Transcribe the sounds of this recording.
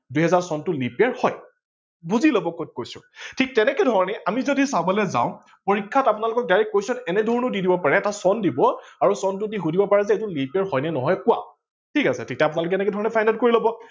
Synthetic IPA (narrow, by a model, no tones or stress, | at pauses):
duɦɛzaɹsɔntʊlipiaɹhɔj | buzilobɔkot̚kojsʊ̰̃tʰik̚tɛnɛkɛdʱɔɹɔnɛʔamizodisabɔlɛzã̰ʊ̃ | poɹikʰːatapʊnalʊkɔk̚daɹɛkːojsɔnɛnɛdʱɔɹnʊdidibɔpaɹɛːtasɔndibɔaɹusɔntʊdiɦudibɔpaɹɛzɛejtʊlipaɹhɔjnɛnɔɦɔjkʊwa̰ | tʰikasɛ̰tʰik̚tɛapʊnalʊk̬ɛɛnɛkɛdʱɔɹɔnɛpʰajndɛt̚koɹilɔbɔ